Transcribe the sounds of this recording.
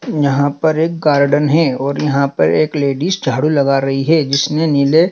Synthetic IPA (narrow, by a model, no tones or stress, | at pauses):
jɐɦãpɐɾeːk̚ɡaːɾɖənɦɛɔːɾjɐɦãpɐ̰ɾeːkleːɖiːsd͡ʒʱaːɽulɐɡaɾɐɦiɦɛd͡ʒɪsnenɪle